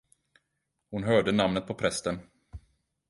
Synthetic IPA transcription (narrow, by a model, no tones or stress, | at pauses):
hʊnɦœːɖənamnət̪̚pʰɔpʰɾɛst̪ən